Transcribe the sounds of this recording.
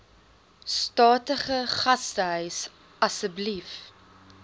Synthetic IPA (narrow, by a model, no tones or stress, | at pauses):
stɑːtəχəχɐstəɦœɥs | ɐsəblif